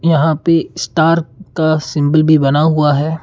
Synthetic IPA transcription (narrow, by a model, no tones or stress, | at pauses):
jɐɦãpesʈaːɾkasɪ̃mbəlbʱibɐnaɦuaɦɛː